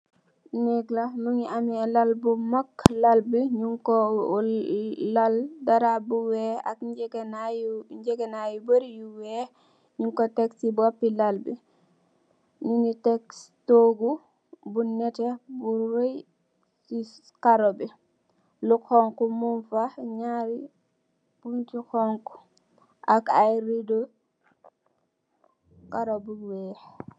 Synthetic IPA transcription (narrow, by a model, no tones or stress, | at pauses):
nɛɡlamuŋiʔamiɛlalbumakːlalbiɲuŋkɔ | aldaɾabuwɛa̰kɡnajɲd͡ʒɛɡɛnajubəɾijuwɛ | ɲuŋkɔtɛksibuwapːilalbḭ | nunitɛkstoɡu | bunːɛtɛbuwoj | si | kaɾɔbɛ | lukɔŋkumunfaɲaɾi | b̥untikɔŋku̥ | ʔakajɾidɔ | kaɾobuwɛh